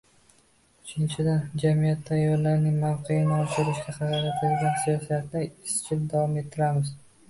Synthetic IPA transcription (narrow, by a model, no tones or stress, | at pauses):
ʊt͡ʃʰɪnt͡ʃʰɪd̪and͡ʒamijat̪ʰːajːɒɾlaɾnɪŋmawqʰejɪnɪɒʃɪɾɪʃɡʲaχɑɾakʲat̪ʰɪlɡʲansijɒsijat̪nɪɪst͡ʃʰɪld̪avɒme̞t̪ʰːɪɾamɪz